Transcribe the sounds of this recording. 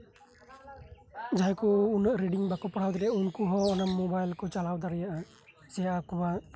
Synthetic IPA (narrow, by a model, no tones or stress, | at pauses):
d͡ʒajkɔunəʔɾiɖiŋbakɔpaɽ̤awd̪aɾɛjaʔaunkuɦɔɔnamːɔbajlkɔt͡ʃalawd̪aɾɛjaʔa | sɛjaakuba